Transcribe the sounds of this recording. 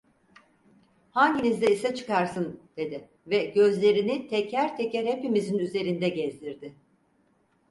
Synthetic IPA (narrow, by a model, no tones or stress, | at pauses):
haɲɟinizd̪ɛisɛt͡ʃʰɯ̥kaɾsɯnd̪̥e̞d̪ɪ | vɛɟø̞zlʲe̞ɾinit̪ʰɛcʰæɾt̪ʰecɛɾhepimizinyze̞ɾind̪ɛɟɛzd̪iɾd̪ɪ